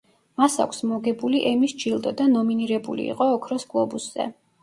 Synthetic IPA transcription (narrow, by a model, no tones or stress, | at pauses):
masa̰kʷʰsmɔɡɛbuliʔɛmisd͡ʒilˠd̪ʼɔd̪anɔminiɾɛbṵlḭːqʼɔːkʰɾɔsɡʼlˠɔbusz̥ɛ̰